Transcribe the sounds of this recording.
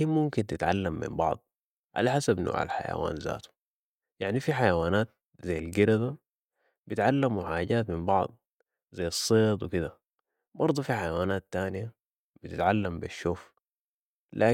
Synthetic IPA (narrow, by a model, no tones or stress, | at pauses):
imʊmkint̪ɪt̪ʕa̰lːamːḭmbɑ̰ʕd̪̥ˤ | ʕa̰laħasabno̰ːʕa̰lħa̰ja̰wa̰ːnza̰ːt̪u̥ | jaʕnifiħajawaːnaːt̪̚ | zajːalɡiɾad̪a | b̥it̪ʕalːamuħaːɟaːt̪mimbɑʕd̪ˤ | zajɑsˤːeːt̪ˤwikid̪a | bɑɾˤd̪ˤufiħajawaːnaːt̪ːaːnija | b̥it̪ɪt̪ʕalːambiʃːuːf | lʔaː